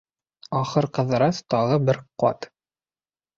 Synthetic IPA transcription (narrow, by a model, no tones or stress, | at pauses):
ɑχɤɾqɤ̆ðɤ̆ɾɑst̪ɑʁɤbɘɾqɑ̰t̪